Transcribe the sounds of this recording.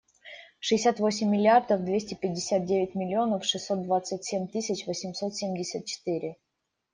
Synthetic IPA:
ʂɨɪsʲat̪vo̞sʲɪmʲːɪlʲɪard̪əfd̪vʲesʲtʲɪpʲɪdʲɪsʲat̪̚dʲevʲɪtʲmʲɪlʲɪo̞nəfʂɨsːo̞t̪̚d̪vat̪sɨtʲsʲemʲt̪ɨsʲɪt͡ɕvəsʲɪmso̞t̪sʲemʲdʲɪsʲət̪̚t͡ɕɪ̥t̪ɨɾʲɪ

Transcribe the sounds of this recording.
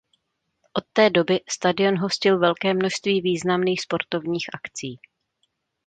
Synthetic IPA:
ʔo̞t̪ːɛːdo̞bɪst̪adɪo̞nɦo̞scɪlvɛlkɛːmno̞ʃst̪viːviːznamniːxspo̞ɾt̪o̞vɲiːxʔakt͡siː

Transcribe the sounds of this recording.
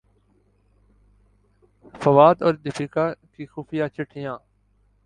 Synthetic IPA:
fəʋaːd̪ɔːɾd̪ɪfiːkaːkiːxuːfɪjaːt͡ʃʰɪʈʰɪjãː

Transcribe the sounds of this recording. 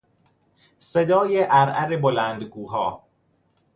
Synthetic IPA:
sed̪ɒːjeʔæɾʔæɾebolæːnd̪ɡuːɦɒː

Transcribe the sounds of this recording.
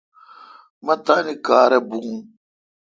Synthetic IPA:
mat̪anikaːɾɛbuŋ

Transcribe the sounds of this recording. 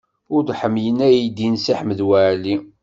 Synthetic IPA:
ʊɾd̪ħəmjənæjid̪insiħməðwæʕli

